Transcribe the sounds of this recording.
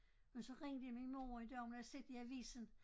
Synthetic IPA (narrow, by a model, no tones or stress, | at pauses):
mensɒ̽ʁeŋd̥əjaminmoːid̥æɐmnse̝d̥iæʋḭːsn̩